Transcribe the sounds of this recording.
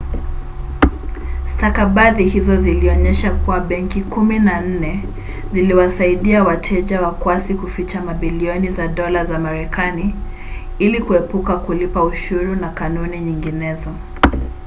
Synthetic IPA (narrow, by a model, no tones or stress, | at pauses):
stakaɓaðihizɔziliɔɲɛʃakuwaɓɛŋkikuminan̩nɛ | ziliwasaiɗiawatʰɛʄawakwasikufit͡ʃamaɓiliɔnizaɗɔlazamaɾɛkani | ilikuɛpukakulipauʃuɾunakanuniɲiŋɡinɛzɔ